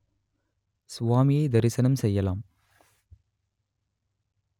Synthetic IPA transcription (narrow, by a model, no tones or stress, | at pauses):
sʊʋaːmɪjɐɪd̪ɐɾɪsɐnɐmsɛjːɐlaːm